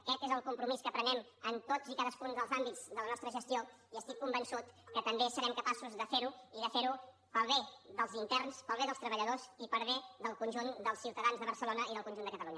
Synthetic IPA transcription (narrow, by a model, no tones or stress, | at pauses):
əkɛt̪ezəlˠkumpɾumiskəpɾənɛmənt̪oz̥ikaðəskunzðəlˠzambid͡z̥ðələnɔst̪ɾəʒəst̪io | iəst̪ikːumbənsut̪kət̪əmbesəɾɛmkəpasuzðəfeɾuiðəfeɾu | pəlˠβed̪əlˠzint̪ɛrnspəlˠβeðəlˠst̪ɾəβəʎəðozipəɾβed̪əlˠkunʲʒund̪əlˠsiwt̪əðanzðəβəɾsəlonəiðəlˠkunʒund̪əkət̪əluɲə